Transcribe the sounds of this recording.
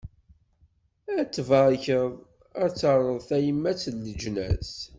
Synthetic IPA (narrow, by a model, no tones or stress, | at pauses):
æt͡sːvəɾˤçəðˤ | æt͡sːəɾˤəðˤθæjəmːæt͡sːlːəd͡ʒnæ̰s